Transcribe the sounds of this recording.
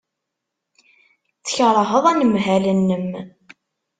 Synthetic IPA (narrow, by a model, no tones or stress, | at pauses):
t͡sːə̥çɾˤɦəðˤænəmɦælənːəm